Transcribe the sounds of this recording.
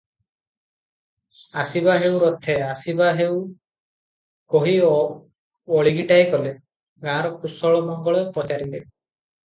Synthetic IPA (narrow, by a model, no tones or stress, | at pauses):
asibaɦewɾɔt̪ʰːeasibaɦeu | koɦi | ɔɭiɡiʈajkɔle | ɡãɾɔkusɔɭɔmɔŋɡɔɭɔpɔt͡ʃaɾile